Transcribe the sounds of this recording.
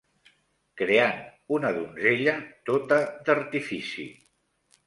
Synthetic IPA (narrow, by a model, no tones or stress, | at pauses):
kɾeanunəðunzeʎət̪ot̪əd̪əɾt̪ifisḭ